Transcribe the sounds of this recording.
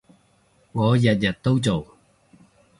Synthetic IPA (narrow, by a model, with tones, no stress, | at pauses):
kɔ˨˥˦jɐ˨˩t̚jɐ˨˩t̚t̪o˥wt͡ɕo˨˩w